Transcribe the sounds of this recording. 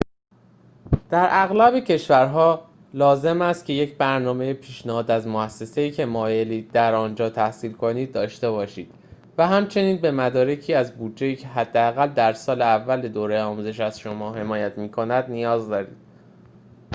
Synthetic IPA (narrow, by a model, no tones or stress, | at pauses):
d̪̥æɾʔæɣlæbecʰe̞ʃvæɾɦɒː | lɒːze̞mæst̪̚cʰʲe̞je̞cʰbæɾnɒːme̞jepʰiːʃnæhɒːd̪æzmoæsːe̞se̞iːcʰe̞mɒːje̞liːd̪æɾɒːnd͡ʒɒːt̪ʰæhsiːlkʰo̞niːd̪̚ːɒːʃt̪e̞bɒːʃiːd̪̥ | væɦæmt͡ʃʰe̞niːnbe̞mæd̪ɒːɾe̞cʰiːæzbud̪d͡ʒe̞jiːcʰeɦæd̪ːeæɣæld̪æɾsɒːleævːæled̪oːɾe̞jɒːmuze̞ʃæzʃo̞mɒːɦe̞mɒːjæt̪ʰmiːkʰo̞næd̪nijɒːzd̪ɒːɾḭːd̪̥̚